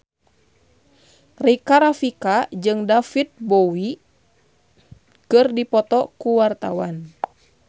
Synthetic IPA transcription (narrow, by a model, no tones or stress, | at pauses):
rikaɾafikad͡ʒɨŋdafit̪̚bɔwi | kɨrdipɔt̪ɔkuwart̪awan